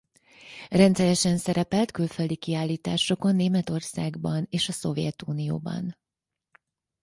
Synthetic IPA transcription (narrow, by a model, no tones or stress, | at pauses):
rɛnt̪sɛɾɛʃɛnsɛɾɛpɛlt̪kylføld̪ikiaːlːiːt̪aːʃo̞ko̞nːeːmɛt̪o̞rsaːɡbɒneːʃɒso̞vjɛt̪uːnijo̰ːbɒ̰n